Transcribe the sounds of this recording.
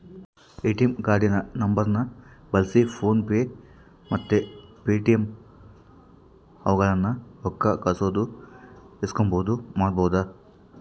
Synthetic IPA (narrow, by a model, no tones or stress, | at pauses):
peːʈijɐmɡaːɾɖinɐnɐmbɐɾnɐbɐlsipʰoːnpeː | mɐt̪ːepeːʈijɐm | ɐʋɐɡɐɭɐnːɐɔkːɐkɐsoːd̪u | eskomboːud̪umaːɽbɐwud̪ɐ